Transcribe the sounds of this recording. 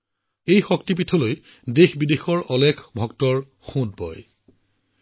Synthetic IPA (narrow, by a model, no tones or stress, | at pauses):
ejxɔktip̬itʰɔloj | dexbidexɔɹʔɔlɛkʰbʱɔk̚tɔɹ | xũt̚bɔ̰j